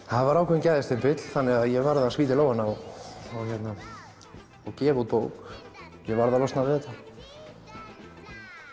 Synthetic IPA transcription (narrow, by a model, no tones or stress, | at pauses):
haðvaɾaːwkʰɛncajðɪst̪ɪnpɪt̪l̥θanːɪɣaðjɛvaɾðasviːt̪ɪlowhanːaaawçɛt̪na | awcɛːɣut̪̚poːwk | jɛvaɾðalɔst̪navɪðɛt̪ːa